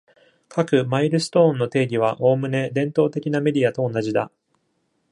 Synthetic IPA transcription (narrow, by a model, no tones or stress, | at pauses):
kʰakɯ̟maiɾɯ̟sɨ̥t̪õ̞ːnːo̞t̪e̞ːɡʲiβ̞aʔo̞ːmɯ̟ne̞d̪ẽ̞nt̪o̞ːt̪e̞kʲiname̞ɾʲiat̪o̞ːnaʑid̪a̰